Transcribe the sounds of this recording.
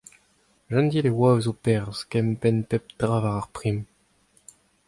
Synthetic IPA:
ʒãnd̪ilewavzopɛʁzkɛmpɛnpɛp̚d̪̥ʁavaʁaʁpχim

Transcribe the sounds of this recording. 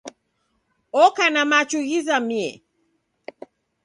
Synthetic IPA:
ɔkanamat͡ʃuɣizamiɛ̰

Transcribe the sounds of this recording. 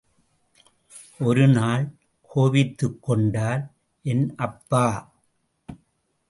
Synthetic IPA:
ʔɔɾɯnaːl | kʰoːʋɪt̪ːɯkːɔɳɖaːl | ʔɛnʔɐpːaː

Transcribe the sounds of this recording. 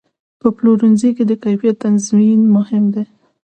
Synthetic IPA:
pəploɾunziked̪əkajfjat̪anzminmʊhɪmd̪e

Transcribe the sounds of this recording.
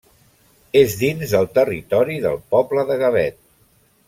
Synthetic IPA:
ezðinzðəlˠt̪ərit̪ɔɾiðə̰lˠpɔbləðəɣəβɛt̪̚

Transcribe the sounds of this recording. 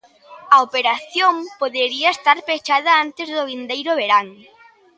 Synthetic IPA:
ɐopeɾaθjompoðeɾiɐest̪aɾpet͡ʃaðɐant̪ezðʊβind̪ejɾʊβeɾaŋ

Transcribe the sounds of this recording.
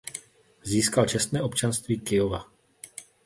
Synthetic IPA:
ziːskalt͡ʃɛst̪nɛːʔo̞pt͡ʃanst̪viːkɪjova

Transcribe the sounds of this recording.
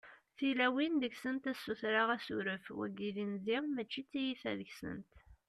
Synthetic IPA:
θilæwind̪əçsənt̪æsːuθɾaʁæsṵɾəfwæ̰ɡilinðiʁmæt͡ʃːit͡sːijifæ̰ðəçsə̰nt̪

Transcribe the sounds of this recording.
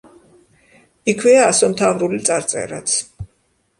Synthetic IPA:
ikʰwɛaːsɔmt̪ʰavɾulit̪sʼaɾt̪sʼɛ̰ɾa̰t̪sʰ

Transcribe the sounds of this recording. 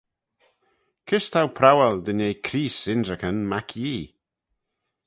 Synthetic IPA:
kʰɪst̪ʰawpʰɾawɛld̪ənejkʰɾiːsɪndɹəkənmakʰjiː

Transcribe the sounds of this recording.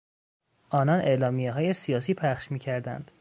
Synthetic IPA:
ʔɒːnɒnʔe̞lɒːmijeɦɒːje̞sijɒːsiːpʰæχʃmiːcʰæɾd̪æ̰nd̪̥

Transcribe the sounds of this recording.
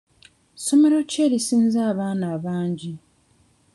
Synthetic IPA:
so̞me̞ɾo̞ce̞ːɾisiːnzaːβaːnaːβaːɲɟi

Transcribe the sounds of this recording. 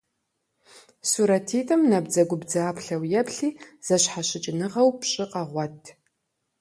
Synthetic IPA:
suɾɐtʰiːtʼɐmnɐb̚d͡zɐɡʷʊbd͡zaːpʰɬɐwjɛpʰɬiːz̥ɐɕħaɕɪt͡ʃʼɪnɨʁɐwpʰɕʼɪqʼɐʁʷɔtʰ

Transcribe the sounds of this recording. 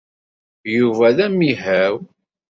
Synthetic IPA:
juvæðæmiɦæw

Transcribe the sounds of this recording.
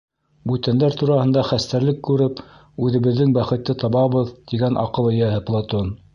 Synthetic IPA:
bʉt̪ænd̪æɾt̪uɾɑhɤ̆nd̪ɑχæst̪æɾlɘkːʉɾɘp | ʉðɘ̆βɘ̆ðːɘŋbæχɘ̆t̪ːɘt̪ɑβɑβɤðt̪iɡænʔɑ̰qɤlˠɤ̆jæhɘplˠat̪on

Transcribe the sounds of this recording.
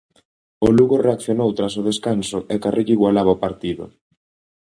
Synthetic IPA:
ʊluɣoreakθjonowt̪ɾas̬ʊð̞eskansʊʔɛkarʔiʎiɣwalaβaopaɾt̪iðʊ̰

